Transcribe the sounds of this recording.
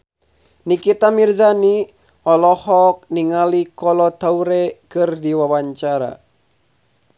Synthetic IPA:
nikit̪amirzani | ɔlɔhɔk̚niŋalikɔlɔt̪auɾɛkɨrdiwawaɲt͡ʃaɾa̰

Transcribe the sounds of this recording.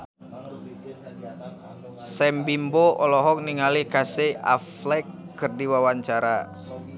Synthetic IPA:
sɛmbimbɔʔɔlɔɦɔk̚niŋalikasea̰flɛkːɨrdiwawaɲt͡ʃaɾa

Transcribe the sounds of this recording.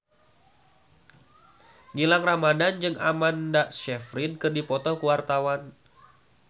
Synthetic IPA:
ŋilaŋramadand͡ʒɨŋa̰mandaʔst͡ʃɛfɾidkɨrdipɔt̪ɔkuwart̪awan

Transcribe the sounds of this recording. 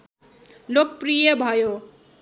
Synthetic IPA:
lok̚prijʌbʱʌjo

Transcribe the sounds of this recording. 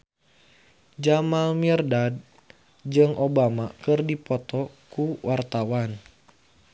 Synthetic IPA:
d͡ʒamalmiɛrdad̚ | d͡ʒɨŋobamakɨrdipɔt̪ɔkuwʔart̪awan

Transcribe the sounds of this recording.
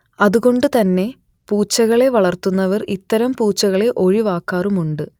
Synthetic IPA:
ɐðuɣo̞ɳɖɨt̪ɐnːe̞ | puːt͡ɕːɐɣɐɭe̞ʋɐɭɐrt̪unːɐʋɐrit̪ːɐɾɐmpuːt͡ɕːɐɣɐɭe̞ʔo̞ɻiʋaːkːaːrumuɳɖɨ

